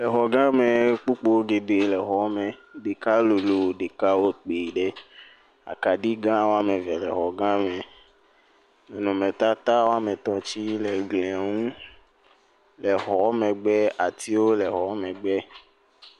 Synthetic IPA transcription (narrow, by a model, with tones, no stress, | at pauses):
lɛ˨xɔ˨ɡã˦mɛ˨k͡pu˦k͡po˦wo˦ɡe˨ɖe˨lɛ˨xɔ˨˦mɛ̃˨ɖe˨ka˦lo˨lo˨ɖe˨ka˦wo˦k͡pe˨ɖe˦ | a̰˨ka˨ɖi˦ɡã˦wo˦a˦mẽ˨vɛ˨lɛ˨xɔ˨ɡã˦mɛ˨ | nɛ̃˨nɔ̃˨mẽ˨t̪a˦t̪a˦wo˦a˦mɛ̃˨t̪ɔ˨t͡ɕi˦lɛ˨ɡlẽ˨a˨ŋũ˦ | lɛ˨ɦɔ˨˦mɛ̃˨ɡ͡bɛ˦a˨t̪i˦wo˦lɛ˨xɔ˨˦mɛ̃˨ɡ͡bɛ˦